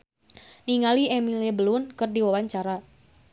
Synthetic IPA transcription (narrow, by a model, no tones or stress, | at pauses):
niŋaliɛmilɛbəlʊnkɨrdiwawaɲt͡ʃaɾa